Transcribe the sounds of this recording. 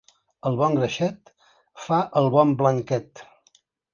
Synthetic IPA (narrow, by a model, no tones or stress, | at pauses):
əlˠβɔŋɡɾəʃɛt̪ | faʔəlˠβɔmbləŋkɛt̪